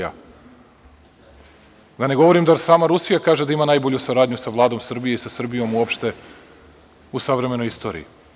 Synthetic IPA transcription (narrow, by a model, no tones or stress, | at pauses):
a̰ | d̪ane̞ɡo̞ʋo̞ɾimd̪aɾsaːmaɾusijakaːʒe̞d̪aimanajboʎusaɾaːd̪ɲusaʋlˠaːd̪o̞msr̩bije̞isasr̩bijo̞muopʃt̪e̞ | usaʋɾe̞me̞nojist̪o̞ːɾḭḭ